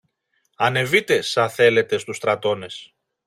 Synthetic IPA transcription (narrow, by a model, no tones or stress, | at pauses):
ɐne̞vit̪e̞sɐθe̞le̞t̪e̞st̪ust̪ɾɐt̪o̞ne̞s